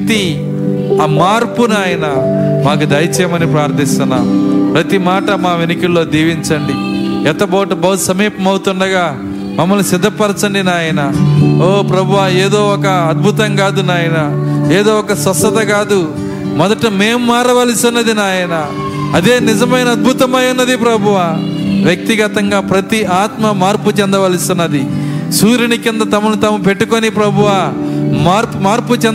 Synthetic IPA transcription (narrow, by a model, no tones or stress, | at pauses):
t̪i | ɐmaːɾpunaːjɐnɐmaːk̬ud̪ɐjt͡ʃɛːmɐnipɾaːɾt̪ist̪unːapɾɐt̪imaːʈɐmaːʋenikillo̞ːd̪iːʋiɲt͡ʃɐɳɖiɛt̪ɐbɐːʈubɐwsɐmiːpɐmɐwut̪uɳɖɐɡaː | mɐmːɐlusid̪ʱːɐpɐɾɐt͡ʃɐɳɖinaːjɐnɐoːpɾɐbʱuʋaːeːd̪o̞ːɔkɐːd̪̚bʱut̪ɐŋɡaːd̪unaːjɐnɐeːd̪oːɔkɐsɐsɐt̪ɐɡaːd̪u | mɔd̪ɐʈumeːmːaːɾɐʋɐlisinːɐd̪inaːjɐnɐ | ɐd̪eːnizɐmɐjnɐːd̪̚bʱut̪ɐmɐjunːɐd̪ipɾɐbʱuʋaː | ʋjɐk̚t̪iɡɐt̪ɐŋɡaːpɾɐt̪iaːt̪mɐmaːɾput͡ʃɛnd̪ɐʋɐlisinːɐd̪isuːɾɐnikind̪ɐt̪ɐmɐnut̪ɐmɐpe̞ʈːukonipɾɐbʱuʋamaːɾpmaːɾput͡ʃɛn